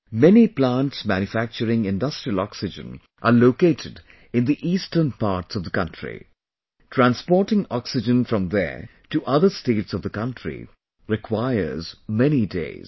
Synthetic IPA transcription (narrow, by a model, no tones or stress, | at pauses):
mɛniplãntsmæ̃njufæk̚t͡ʃəɾɪ̃ŋɪ̃ndʌstɹ̥iəlɔksɪd͡ʒə̰̃n | ʔəloːkeːtʰɪd | ɪ̃nd̪iʔiːstənpaːɹtsʌvd̪əkʌ̃ntʰɹḭ | tʰɹæ̃nspɔːɾʈɪ̃ŋɔksɪd͡ʒə̃nfɹʌ̃mðə̰ | tuʔʌðə˞steːʈsʌvðəkʌ̃ntʰɹḭ | ɹɪkʰwaɪə̰˞zmɛnidḛɪz̥